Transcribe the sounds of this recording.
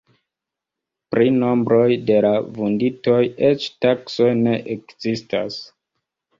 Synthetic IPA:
pɾino̞mbɾo̞jde̞lavundito̞je̞t͡ʃtakso̞jne̞ʔekzistas

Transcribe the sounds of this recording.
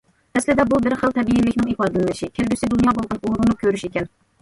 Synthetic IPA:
ɛslɪd̪ɛbubɪɾχəlˠt̪ʰɛbijinlːɪkʲnɪŋipɑd̪ɨlɪnɪʃɪkʲʰelʲɡʲysɪd̪unjɑbolˠʁɑnuɾunukʲʰøɾyʃekʲɛn

